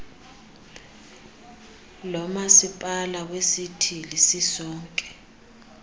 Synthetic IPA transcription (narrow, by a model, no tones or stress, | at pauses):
lɔmasipʼalak̬wesitʰilisisɔːŋkʼɛ̥